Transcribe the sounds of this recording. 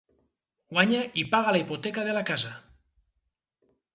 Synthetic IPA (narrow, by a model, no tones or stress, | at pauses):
ɡwaɲaʔipaɣalaipot̪ekaðelakaza